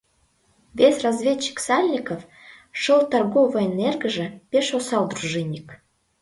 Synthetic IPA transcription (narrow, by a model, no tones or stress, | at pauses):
vʲesʲrɑzvʲet͡ɕːi̥ksɑlʲnʲikəf | ʃəlt̪ɑrɣovə̆enerɡə̆ʒə̆pʲeʃosɑld̪ruʒenʲik